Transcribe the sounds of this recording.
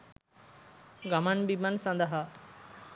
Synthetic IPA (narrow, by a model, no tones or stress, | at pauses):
ɡamanbimansɐ̃nd̪əɦa